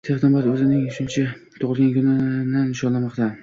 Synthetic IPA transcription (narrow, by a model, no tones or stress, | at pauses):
t̪ʰeχnɒmat̪ɵzɪnɪŋʃʊnt͡ʃʰat̪ʰʊʁɨlˠɡʲankʊnɪnanːɪʃɒnlamɒqt̪ʰa